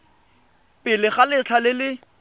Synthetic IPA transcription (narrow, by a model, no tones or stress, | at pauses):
pʼɪlɪχalɪt͡ɬʰalɪlɪ